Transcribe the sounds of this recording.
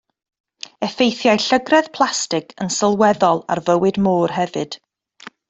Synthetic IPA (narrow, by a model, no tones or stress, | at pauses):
ɛfejθjajɬəɡrɛð̥pʰlˠastɪkʰənsəlˠwɛðɔlˠa̰rvəwɨdmoːrɦɛvɨd̥